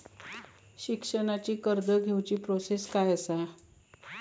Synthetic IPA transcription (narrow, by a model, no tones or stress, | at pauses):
ɕikʂəɳat͡ɕiːkəɾd̪əɡʱewt͡ɕiːpɾoseskajəsa